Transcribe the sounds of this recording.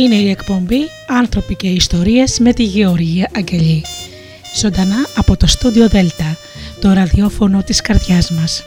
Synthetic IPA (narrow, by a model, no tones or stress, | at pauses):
ine̞ie̞kpo̞mbi | ɐnθɾo̞pice̞ist̪o̞ɾiezme̞t̪iʝe̞o̞ɾʝiɐʔɐɲɟe̞ʎi | z̥o̞nd̪ɐnɐɐpo̞t̪o̞st̪ud̪io̞ðe̞lt̪ɐ | t̪o̞ɾɐðio̞fo̞no̞t̪iskɐɾðʝɐzmɐs